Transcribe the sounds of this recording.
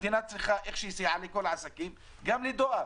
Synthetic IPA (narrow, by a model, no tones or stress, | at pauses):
t̪inat̪sɪxaʔɪxʃisiʕalikʊlːʕasakiːm | ɡamlid̪ʊʔa